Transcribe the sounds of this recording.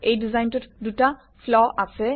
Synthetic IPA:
ejdizajntutduta | flɔʔase

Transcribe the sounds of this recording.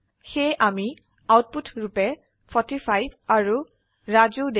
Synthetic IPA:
xejʔami | awt̚putʰɹupɛ | pʰɔtipʰajbʱaɹu | ɹazod

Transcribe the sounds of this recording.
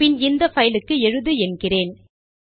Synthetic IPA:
pɪnɪnd̪ɐfɐjɪlɯkːɯɛɻɯðɯɛnɡɪreːn

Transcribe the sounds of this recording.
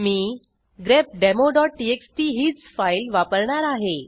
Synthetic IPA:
miː | ɡɾep̚ɖemoɖɔʈːieksʈiɦiːt͡sfajlʋapəɾɳaɾaɦe

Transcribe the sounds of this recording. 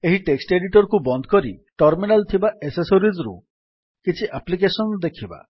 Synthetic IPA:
eɦiʈeksʈeɖiʈɔɾkubɔnd̪ʱɔ̥kɔɾiʈɔɾminalt̪ʰibaʔesesoɾizɾṵ | kit͡ʃʰiʔaplik̬esɔnɔd̪ekʰiba̰

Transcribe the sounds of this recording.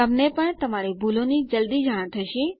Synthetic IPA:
əmnepəɳt̪əmaɾebʱulonid͡ʒəld̪id͡ʒaɽ̃t̪ʰəʃĩ

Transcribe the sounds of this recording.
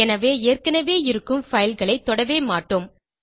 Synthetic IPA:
ɛnɐʋeːeːrkɐnɐʋeːɪɾɯkːɯmfɐjɪlɣɐɭɐɪt̪ːɔɽɐʋeːmaːʈːom

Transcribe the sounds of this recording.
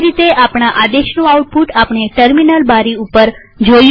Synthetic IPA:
ɾit̪eʔapɳ̃aʔad̪eʃnũauʈ̚puʈapɳ̃eʈəɾminəlbaɾiupəɾ | d͡ʒoj

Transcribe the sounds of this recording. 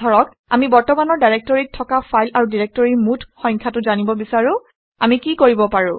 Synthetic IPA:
ɔɹɔk | a̰mibɔɹtɔmanɔɹdajɹek̚tɔɹit̚tʰːɔkapʰajlaɹudiɹek̚tɔɹimutʰxɔjɲkʰatʊzanibɔbisaɹʊ̃ | amikikoɹibɔpaɹʊ̃

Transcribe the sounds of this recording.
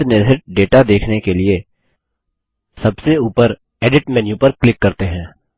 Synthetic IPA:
nɪɾɦɪʈ̚ɖeːʈad̪eːkʰnekelie | sɐbseuːpəɾ | ɛːɖɪʈmɛnjupəɾklɪkːɐɾt̪eɦɛ̃ː

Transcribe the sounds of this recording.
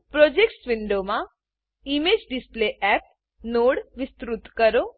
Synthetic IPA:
pɾoːd͡ʒekʈsʋɪɳɖomã | imed͡ʒɖɪspleʔɛːp̚ | noːɽʋɪst̪ɾut̪kəɾo

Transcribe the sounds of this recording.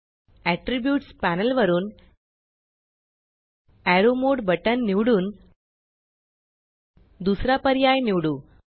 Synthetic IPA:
æʈɾibjuːʈspænəlʋəɾuːn | æɾomoɽbəʈənːiʋɽuːn | d̪usɾapəɾjajniʋɽuː

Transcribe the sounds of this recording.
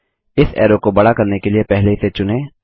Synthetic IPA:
ɪsɛ̰ːɾokobɐɽakɐɾnekeliepɛɦleɪset͡ʃʊnẽː

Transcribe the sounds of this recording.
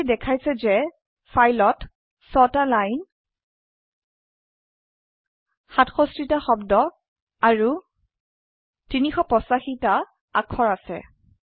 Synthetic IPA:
dɛkʰajsɛzɛ | fajlɔt | sɔtalajn | xatxɔstɹitaxɔbdɔ | aɹu | tinixɔpɔsaxita | akʰɔɹasɛ̰

